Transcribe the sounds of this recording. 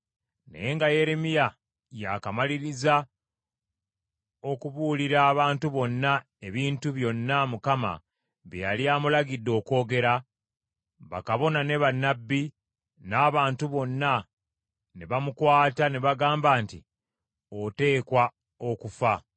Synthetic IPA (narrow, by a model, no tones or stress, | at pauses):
na̰je̞ːŋɡaje̞ɾemija | jakamaliɾiza | o̞kuβuːliɾaːβaːntuβo̞nːa | e̞βiːntuβjo̞nːamukama̰ | βjjaliaːmulaɡidːo̞ːko̞ːɡe̞ɾa | βa̰kaβo̞nane̞βanːabːi | naːβaːntuβo̞nːa | ne̞βamukwaːtane̞βaɡaːmbaːnti | ote̞ːkwa | o̞kufa